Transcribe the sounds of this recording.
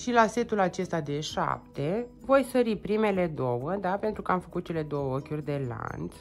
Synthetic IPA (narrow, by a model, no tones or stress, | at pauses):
ʃilase̞t̪ulat͡ʃe̞st̪ad̪e̞ʃa̰p̚t̪e̞vo̞jsəɾipɾime̞le̞d̪o̞wəd̪ape̞nt̪ɾukəamfə̥kut̪̚t͡ʃe̞le̞d̪o̞wəo̞kʲurʲd̪e̞la̰nt̪s